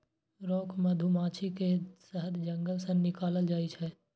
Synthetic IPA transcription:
ɾɔːkməd̪ʱumãːt͡ʃʰikesəɦəd̪d͡ʒə̃ŋɡəlsə̃nɪkaːləld͡ʒaːit͡ʃʰɛ

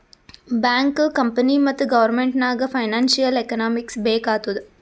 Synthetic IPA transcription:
baːŋkɯkɐmpɐnimɐt̪ːɯɡɐʋɐɾmeɳʈnaːɣɐfɐɪnaːnsɪjɐlɛkɐnaːmɪksbeːkaːt̪ɯðɯ

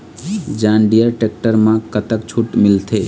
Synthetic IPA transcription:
d͡ʒãːnɖijəɾʈek̚ʈəɾmãkət̪əkt͡ʃʰuʈmɪlt̪ʰe

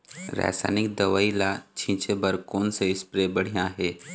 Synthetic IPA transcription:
ɾɛ̰ːsa̰ːnɪk̚d̪ɐʋaːilat͡ʃʰĩːt͡ʃebɐɾkoːnseɪspɾebɐɽ̤ijãɦeː

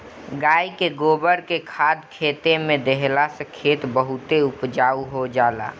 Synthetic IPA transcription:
ɡaːikeɡoːbəɾkekʰaːd̪kʰeːt̪emẽd̪eɦlasəkʰeːt̪bəɦʊt̪eʊpd͡ʒaːuɦod͡ʒaːla̰ː

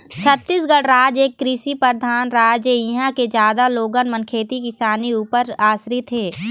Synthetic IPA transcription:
t͡ʃʰət̪ːis̬ɡəɽɾaːd͡ʒeːkːɾiʃipəɾd̪ʱaːnɾaːd͡ʒəĩɦãked͡ʒjaːd̪aloːɡənmənkʰeːt̪ikɪsaːniuːpəɾaːsɾit̪ʰːeː

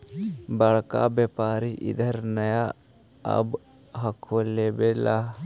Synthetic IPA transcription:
bəɭka̰bɛpaːɾiʔɪ̰d̪əɾnəja | ɐ̰b | ɦɐkʰolebela

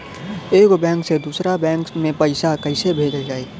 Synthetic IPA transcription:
eːkobɛ̃ːŋksed̪uːsɾabɛ̃ːŋkmẽpɐɪsakəɪsebʱeːd͡ʒəld͡ʒaːeː

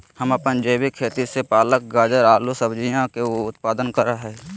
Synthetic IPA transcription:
həməpənd͡ʒeːbikʰːeːt̪isepaːlək̚ɡaːd͡ʒəɾaːlusəbd͡ʒijãkeʊt̪̚paːd̪ənkəɾaɦɛː

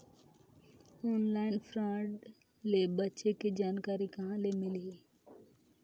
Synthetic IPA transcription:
ɔːnlaːɪnfʰɾãːɖ | lebətːʃeked͡ʒaːnkaːɾikãlemɪli

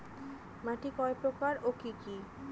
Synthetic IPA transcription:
maʈikɔepɾokaɾokiki

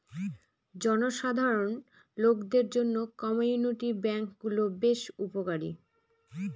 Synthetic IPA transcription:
d͡ʑɔnoʃad̪ʱaɾon | lokd̪eɾd͡ʑonːokɔmojuniʈibɛŋkɡulobeʃupokaɾḭ

